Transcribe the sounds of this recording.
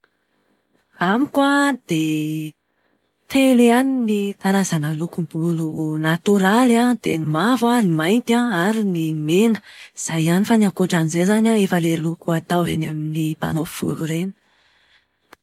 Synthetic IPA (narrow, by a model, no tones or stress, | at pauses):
amikwad̪̥e | t̪eleaninit̪aɾazanəlukumbulunat̪uɾalad̪̥enimavanimajnt̪aaɾinimenə̥iz̥ajanifaniakuʈ͡ʂanizezanʲaefəlelukuat̪awenaminipa̰nofiv̥ṵluɾenə̥